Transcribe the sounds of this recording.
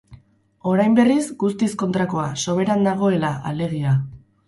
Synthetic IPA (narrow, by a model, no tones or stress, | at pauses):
o̞ɾajmbe̞rizɡust̪isko̞nt̪ɾako̞aso̞β̞e̞ɾand̪aɣ̞o̞e̞laale̞ɣ̞ia